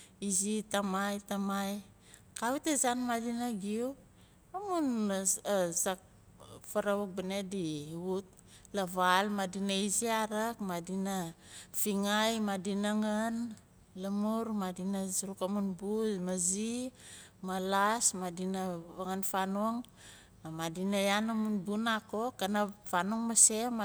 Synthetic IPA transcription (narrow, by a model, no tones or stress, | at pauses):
izitamajtamaj | kawitezanmadinaɡiu | amun | zak̚ | faɾawuk̚banediut̚ | laβalmadinaiziaɾakmadinafiŋajmadinaŋan | lamuɾmadinazɾukamunbumazi | malasmadinaβaŋanfanoŋ | madinajanamunbunakokanafanoŋmasem